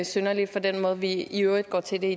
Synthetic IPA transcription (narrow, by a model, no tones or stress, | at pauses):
sønɐli̥fɒ̽d̥enmɔ̽ːð̞̩ˠʋiiøʊ̰ʁid̥̚ɡ̥ɒ̰ːt͡sʰe̝ld̥ei